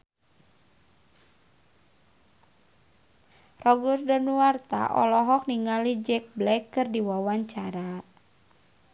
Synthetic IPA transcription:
rɔɡurdanuart̪a̰ʔɔ̰lɔɦɔk̚niŋalid͡ʒɛk̚blɛkːɨrdiwawaɲt͡ʃaɾa

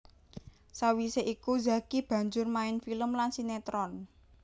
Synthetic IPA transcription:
sawiseʔikuza̤kib̥ä̤ɲd͡ʒʊrmaɪnfiləmlansinet̪ɾɔn

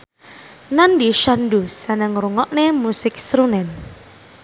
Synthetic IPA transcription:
nandiʃandusanəŋruŋɔʔnemusɪk̚sɾunɛn

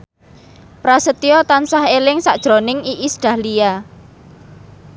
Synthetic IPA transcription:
pɾasət̪iɔt̪ansaɦelɪŋsaʔd̥ʒ̥ɾonɪŋiʔisɖ̥ä̤hlia

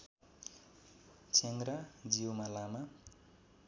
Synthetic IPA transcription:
t͡seŋɡrad͡ziwmalama

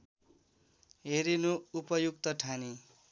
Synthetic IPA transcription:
ɦeɾinuupʌjukt̪ʌʈʰani

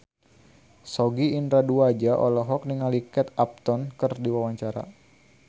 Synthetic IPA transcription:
sɔɡiːnd̪ɾaduad͡ʒaʔɔ̰lɔɦɔk̚niŋalikɛt̪̚ap̚t̪ɔnkərdiwawaɲt͡ʃaɾa̰

